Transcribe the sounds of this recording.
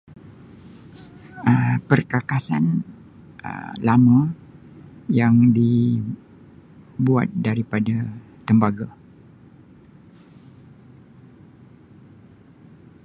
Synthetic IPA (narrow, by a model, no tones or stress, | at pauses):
əpərkakasan | ə̰lama | jaŋdi | bua̰t̪̚daɾipada | t̪əmbaɡa